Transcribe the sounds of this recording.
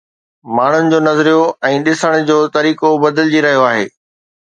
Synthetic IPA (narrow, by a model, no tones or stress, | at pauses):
maːɳ̤ʊnɪ̆d͡ʑoːnɐzɾijoɛ̃ːɗɪsəɽ̃d͡ʑoːt̪ɐɾiːkobɐd̪əld͡ʑiɾɐɦijoaːɦḛː